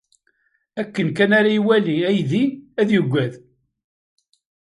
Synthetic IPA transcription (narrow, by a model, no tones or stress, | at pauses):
ækːənkænaɾaiwæliæjðiæðjəɡʷːæð